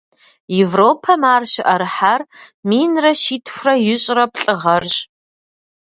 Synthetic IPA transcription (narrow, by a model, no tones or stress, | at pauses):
jevroːpʰɐmaːrʃɪʔɐɾɨħarmiːnrɐʃiːtʰxʷrɐjɪɕʼrɐpɬʼɨʁɐrɕʼ